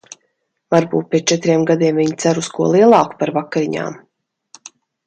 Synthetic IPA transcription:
vaɾbṵːt̪̚pʲiɛt͡ʃɛt̪ɾiɛmɡad̪iɛmviɲt̪sæɾuskuɔlˠiɛlˠɑːku̥paɾvakːaɾiɲa̰ːm

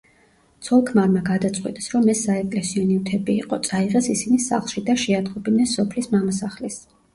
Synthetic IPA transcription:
t̪sʰɔlˠkʰmaɾmaɡad̪at̪sʼqʼwḭt̪ʼɛsɾɔmːɛsaɛkʼlɛsiɔniut̪ʰɛbiːqʼɔt̪sʼaiʁɛsisinisa̰χlˠʃid̪aʃɛad̪qʼɔbinɛsɔpʰlismamasaχlis

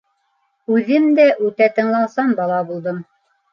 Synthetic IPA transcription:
ʉðɘmd̪æʔʉt̪æt̪ɤ̆ɴlˠɑw̪ˠsɑnbɑlˠɑbulˠd̪ɤm

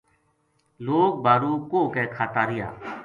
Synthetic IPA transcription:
loːk̚bʱaːɾuːkoːkɛːkʰaːt̪aːɾɪja̰ː

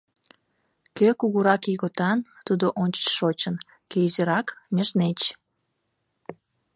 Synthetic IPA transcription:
køkuɣuɾɑkiɣot̪ɑnt̪ud̪oʔonʲt͡ɕə̥t͡ɕʃot͡ɕən | kezeɾɑkmʲeʃnet͡ɕ

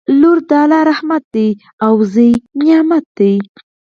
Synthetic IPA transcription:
luɾd̪ɑlaɾahmat̪̚d̪ej | awzəjnjɑmat̪̚d̪ej

